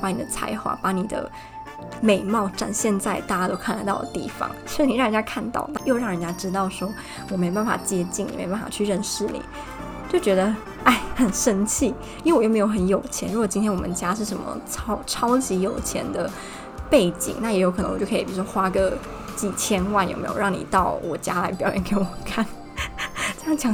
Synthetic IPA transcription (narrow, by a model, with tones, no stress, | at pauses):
pa˧˥ni˨˩d̪ə˦t͡sʰa̰˧˥ɪxwa̰˥˩pa˧˥ni˨˩d̪ə̰˦ | me˨˩ɪmɑ˥˩ʊʈ͡ʂa̰˨˩nɕjɛ˥˧nt͡sa˥˧ɪt̪a˥˧˩t̪o˥ʊkʰla˧˥ɪt̪ɑ˥ʊd̪ə̰˩t̪ḭ˥˩fɑ̰˥˦ŋo˥ni˨˩ɻɻə˧˥nt͡ɕja˥kʰa˥˧nt̪ɑ̰˥˧ʊna˥˧jo˥˧ʊɻɑ˥˩ŋɻə˧˥nt͡ɕja˥ʈ͡ʂɻ̩˥t̪ɑ˥˩ʊʂwɔ˥ | wɔ˨˩me˧˥o˧ba˥˩nfa̰˨˩t͡ɕjɛ˥t͡ɕi˥˩ŋni˨me˧˥˧pa˥˩fa̰˨˩t͡ɕʰy˥˧ɻə˥˧nʂɻ̩˥˩nḭ˨˩˦ | t͡ɕjo˥˩ʊt͡ɕɥɛ˧˥d̪ə˧ | a˥˩ɪxə˨˩nʂə˥nt͡ɕʰi˥˩ | i˥˩wjme˧˥jo˧˥xə˧˦njo˨˩ʊt͡ɕʰjɛ˧˥nɻu˧˥ɡwɔ˨˩t͡ɕi˥nt̪ʰjɛ˥nwɔ˨mə˦nt͡ɕja˥ʂ̬ɻ̩˥˩ʂə˧˥nmə̰˧ʈ͡ʂʰɑ˥ʊʈ͡ʂʰɑ˥ʊt͡ɕi˧˥jo˨˩ʊt͡ɕʰjɛ̰˧˥nd̪ə˧ | pe˥˩ɪt͡ɕḭ˨˩ŋna˥˩jɛ˧˥jo˧ʊk̪ʰə̰˧ŋwjkʰːi˨˩pi˨˩˥wxwa˥ɡə˧˦ | t͡ɕi˥˩t͡ɕʰjɛ˥nwa˥˩nj̰mḛ˧˥ɪjo̰˨˩˧ɻɑ˥˩ŋnḭ˨˩t̪ɑ˥˩ʊwɔ̰˨˩t͡ɕja˥la˧˥ɪpjɑ̰˨ʊjɛ˥nke˧˥ɪwɔ˨˩kʰa˥˩n | ʈ͡ʂjɑ˥˩t͡ɕʰjɑ˧˥ŋ